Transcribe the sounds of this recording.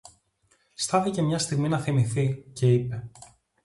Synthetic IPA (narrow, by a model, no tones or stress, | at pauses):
st̪ɐθice̞mɲɐst̪iɣminɐθimiθice̞ipe̞